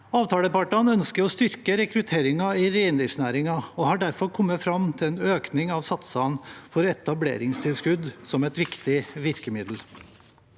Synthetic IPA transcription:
ɑːʋt̪ʰɑːləpɑʈɑnœnskəɾɔst̪ʏɾkəɾɛkɾʉt̪ʰeːɾɪŋɑɪɾeɪnd̪ɪʂnæːɾɪŋɑɔhɑɖæɾfɔɾkʰɔmːəfɾɑmt̪ʰɪlɛːnøːknɪŋɑʋsɑt̪sɑnfɔɾɛt̪ɑblḛːɾɪŋst̪ʰɪlskʉd̪sɔmɛt̪ʋɪkt̪ɪʋɪɾkəmɪd̪l̩

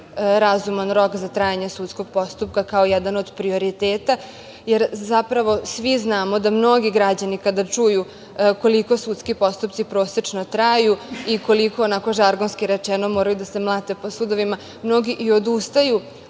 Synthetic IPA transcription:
ɾazumanɾo̞kzat̪ɾaːjaɲesuːt̪sko̞ɡ̚po̞st̪up̚kakaojɛd̪ano̞d̪pɾio̞ɾit̪eːt̪a | je̞ɾzapɾaʋo̞sʋiznaːmod̪amno̞ɡiɡɾad͡ʑanikad̪at͡ʂuju | ko̞liko̞sut̪skipo̞st̪upt̪sipɾo̞ːset͡ʂnot̪ɾajuiko̞liko̞ːnako̞ʒaɾɡonskiɾet͡ʂɛno̞moɾajud̪ase̞mlˠat̪e̞po̞sud̪o̞ʋima | mno̞ɡiʔio̞d̪ust̪aju

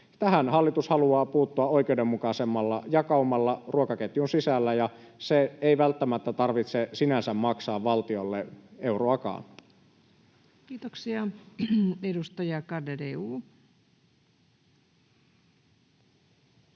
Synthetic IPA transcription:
t̪æɦænhɑlːit̪ushɑluɑːpuːt̪ːuɑʔo̞ijkeudemːukɑsemːɑlːɑ̰jɑkɑumːɑlːɑrʔuokɑket̪junsisælːæjɑseeiʋælt̪ːæmæt̪ːæt̪ɑrʋit̪sesinæsæmmɑksɑːʋʋɑlt̪io̞lːeʔe̞uroɑkɑ̰ːn | kiːt̪oksiɑ | edust̪ɑjɑkɑdedeuː

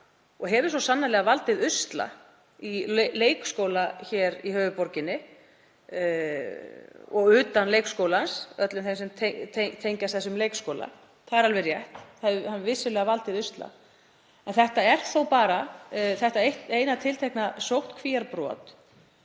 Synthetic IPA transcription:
ɔɦɛːvʏɾ̥sɔsanːalɛɣavalt̪ɪðʏst̪la̰ | ileːjkskowlaçɛɾihœːvʏpɔɾcɪnːɪ | ɔɣʏːt̪anlejkskowlaansœt̪lʏmθejmsɛmt̪ʰet̪ʰet̪ʰejɲcast̪θɛsːʏmleːjkskoːwla̰ | θaðɛɾalvɛɾjɛht̪θaðhanvɪsːʏlɛːɣavalt̪ɪðʏst̪la̰ | ɛnθɛht̪aɛr̥θowpaːɾaθɛht̪aejht̪eːjnat̪ʰɪlt̪ʰɛhknasowht̪kʰviaɾpɾɔ̰ːt̪

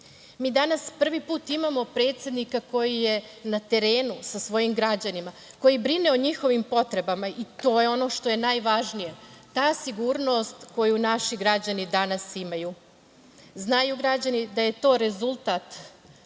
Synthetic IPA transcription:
miːd̪anaspr̩ʋipuːt̪imamo̞pɾe̞ːt̪sje̞d̪nikako̞jije̞nat̪e̞ɾe̞ːnusasʋo̞jimɡɾad͡ʑanima | ko̞jibɾineoɲixo̞ʋimpo̞t̪ɾe̞bamait̪o̞ːjeo̞no̞ʃt̪o̞je̞najʋaʒnijet̪aːsiɡuːɾno̞st̪ko̞junaʃiɡɾad͡ʑanid̪anasimaju | znajuɡɾad͡ʑanid̪aje̞t̪o̞ːɾe̞zulˠt̪at̪

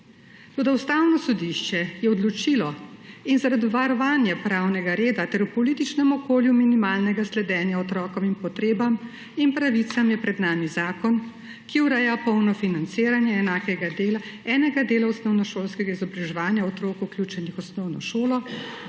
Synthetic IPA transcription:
t̪oːd̪awst̪aːwnɔsɔd̪iʃt͡ʃɛjɛɔd̪lɔt͡ʃilɔinzaɾad̪iʋaɾɔʋaːnjapɾaːwnɛɡaɾeːd̪at̪ɛɾupɔliːt̪it͡ʃnɛmɔkoːljuminimaːlnɛɡaslɛd̪ɛːnjaɔt̪ɾɔːkɔminpɔt̪ɾeːbam | impɾaʋit̪samjɛpɾɛd̪naːmizaːkɔn | kiuɾɛjapɔwnɔfinant̪siːɾanjɛːnaːkɛɡad̪eːlaɛːnɛɡad̪eːlaɔsnɔwnɔʃoːlskɛɡaizɔbɾɛʒɛʋaːnjaɔt̪ɾoːkuklʲjuːt͡ʃɛnixɔsnɔwnɔʃoːlɔ

